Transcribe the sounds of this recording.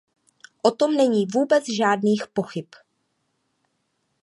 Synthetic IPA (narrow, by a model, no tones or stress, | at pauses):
ʔot̪o̞mnɛɲiːvuːbɛt͡sʒaːdniːxpo̞xɪp